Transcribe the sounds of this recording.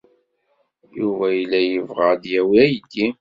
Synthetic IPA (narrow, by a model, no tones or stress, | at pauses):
juvæjəlːæjəvʁad̪jæwiæjəd̪ːim